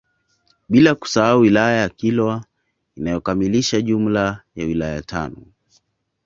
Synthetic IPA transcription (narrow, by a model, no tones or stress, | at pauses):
ɓilaku̥saauwilajajakilwa | inajɔkamiliʃaʄum̩lajawilajatʰa̰nɔ